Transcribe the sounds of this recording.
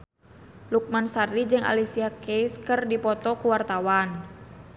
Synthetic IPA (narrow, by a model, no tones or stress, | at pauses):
luk̚mansaɾid͡ʒɨŋa̰lisiakejskɨrdipɔt̪ɔkuwart̪awan